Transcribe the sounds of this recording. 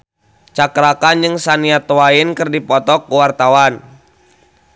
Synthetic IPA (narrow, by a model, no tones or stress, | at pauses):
t͡ʃakɾakand͡ʒɨŋsaniat̪owainkɨrdipɔt̪ɔkuwart̪awan